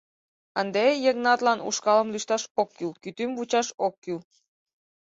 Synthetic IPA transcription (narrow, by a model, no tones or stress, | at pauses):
ənd̪ejəknɑt̪lɑnṵʃkɑləmlyʃt̪ɑʃokːylkyt̪ymvut͡ɕɑʃokːyl